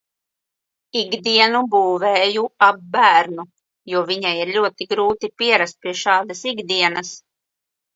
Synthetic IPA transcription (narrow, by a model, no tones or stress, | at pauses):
iɡd̪iɛnubuːvɛːjuab̚ːæːɾnu | juɔviɲajiɾlʲuɔt̪iɡɾuːt̪ipiɛɾast̪̚piɛʃɑːd̪asiɡd̪iɛnɐs